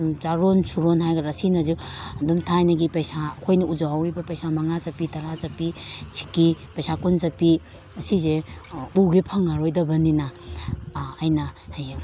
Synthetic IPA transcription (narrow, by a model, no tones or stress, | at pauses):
t͡ʃaɾonsuɾonɦajɡɐɾɐsinɐzudumtʰajnɐɡipɐjsakʰojnɐud͡ʒaawɾibɐpɐjsamɐŋat͡ʃɐpitɐɾazɐpisʰi̥kipɐjsakunt͡ʃɐpi | ɐsizeuɡepʰɐŋːaɾojdɐbɐninaː | jnɐhaj